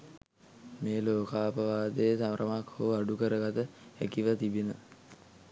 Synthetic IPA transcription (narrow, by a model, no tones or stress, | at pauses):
meːloːkaːpəʋaːd̪eːsamɾəmakʰhoaɖukəɾəɡat̪əækiʋət̪ibinə